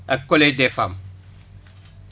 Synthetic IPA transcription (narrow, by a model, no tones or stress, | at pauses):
akːoledefam